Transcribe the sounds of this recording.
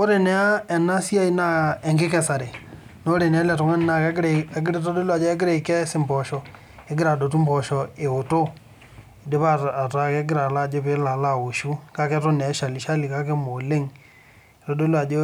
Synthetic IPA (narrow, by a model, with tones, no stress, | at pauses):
o˦ɾe˨nɛ˨a˦ɛ˨na˦si˦a˦i˦na˦ɛ˨ŋɡɪ˦kɛ˨sa˨ɾe˨ | no˦ɾe˨ne˨˦a˦lɛ˨tɔ˨ŋa˦n˦na˨kɛ˦ɡɾe˨a˨ɡɪ˦ɾe˦to˦do˦la˨d͡ʒɔ˦ɛ˦ɡɪ˦ɾe˨i˨kɛ˦sɪ˦mbɔ˨ʃɔ˨ | e˦ɡɪ˦ɾa˨do˨tu˦mbɔ˨ʃɔ˨e˨o˨to˦˨ | de˦βa˦a˨ta˨ke˦ɡɪ˦ɾa˨la˦˨d͡ʒo˦pe˦la˨la˦˨o˨ʃu˦ka˦kɛ˦to˦nɛ˨˦ʃa˨li˨ʃa˦li˨ka˦ke˦mo˨le˦ŋ˨ | to˦do˦lwa˨d͡ʒo˦